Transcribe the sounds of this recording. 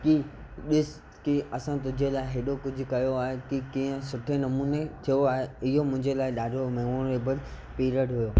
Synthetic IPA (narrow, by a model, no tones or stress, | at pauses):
kiɗɪs | kiɐsãt̪ʊ̃d͡ʑʱelaːeɦeːɗokʊd͡ʑʱʊkɐjoaːɦekikĩːə̃sʊʈʰenɐmuːnet̪ʰijoaːɦeɪɦomʊ̃ɦɪ̃ɲd͡ʑelaːɪɗaːɖʱomeːmoɾeːbəl | piːɾəɖɦʊjoː